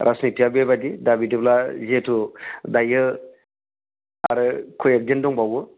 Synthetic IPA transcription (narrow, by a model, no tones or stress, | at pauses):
ɾʔasnitijabebad̪idabidiblazetʰud̪ajɯ | aɾɯkʰojek̚d̪endɔŋbawɯ